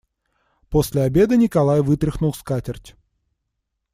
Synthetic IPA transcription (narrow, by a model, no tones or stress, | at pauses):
posʲlʲɪabʲe̞d̪ɨnʲɪkɐlˠajvɨt̪ɾʲɪxnʊlˠskatʲɪrtʲ